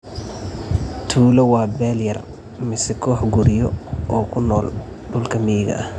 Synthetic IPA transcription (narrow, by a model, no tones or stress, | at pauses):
t̪ʰuːlɐwɑːbɛːljɐr | mɪsɛkʰɔːħɡʊɾɪjɔʔɔːkʰʊnɔːl | ɖʊlkʰɐmɪjɪɣɐ̰ʔɐh